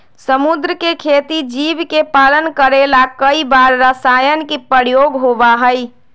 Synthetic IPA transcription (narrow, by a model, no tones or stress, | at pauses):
səmud̪ɾəkekʰet̪id͡ʒibkepalənkəɾelakəibaɾːəsajənkipəɾjoɡɦobaɦəj